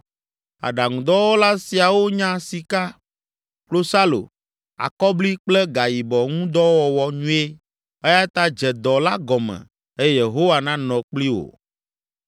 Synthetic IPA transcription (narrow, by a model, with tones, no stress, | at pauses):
a̰˨ɖa˨ŋũ˨d̪ɔ˦wɔ˦la˦si˨a˨wo˦ɲã˦si˨ka˦ | klo˦sa˦lo̰˨ | a̰˨kɔ˦bli˦k͡plɛ˦ɡa˨ji˨bɔ˨ŋũ˦d̪ɔ˦wɔ˨wɔ˨ɲũ˦e˦ | e˦ja˦t̪a˦d͡ʒɛ˨d̪ɔ˨la˦ɡɔ˨mɛ̰̃˨ | e˦jje˨ɦo˦wa˨nã˦nɔ̃˨k͡pli˦wo̰˨